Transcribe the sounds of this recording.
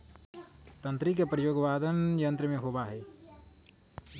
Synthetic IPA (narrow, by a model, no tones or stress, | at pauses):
t̪ə̃nt̪ɾik̬epɾəjoːɡʋaːd̪ʱənjə̃nt̪ɾəmẽɦoːbaɦɛː